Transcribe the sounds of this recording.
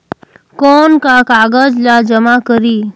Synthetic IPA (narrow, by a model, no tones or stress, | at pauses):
kɔnkakaɡad͡ʒlad͡ʒəmakəɾiː